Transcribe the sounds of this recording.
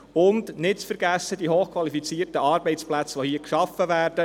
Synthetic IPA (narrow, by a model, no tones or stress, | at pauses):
ʊndnɪt̚t͡sfəɾɡ̥æsːəd̪iɦoːχkʰʋɑlifit͡siːərtəɑːɾbɛɪt͡splæt͡sʋohiːəkʃɑfəvæːrd̥ə